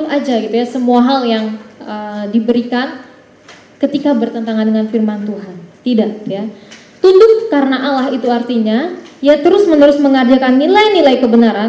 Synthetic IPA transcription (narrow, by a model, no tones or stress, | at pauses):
kad͡ʒaɡit̪ujasəmuaɦaljaŋədibəɾikan | kət̪ikabərt̪ənt̪aŋandəŋanfirmant̪uɦant̪idaʔja | t̪undʊkːaɾənaʔalahit̪uart̪iɲajat̪əɾʊsmənəɾʊsməŋərd͡ʒakanːilajnilajkəbənaɾan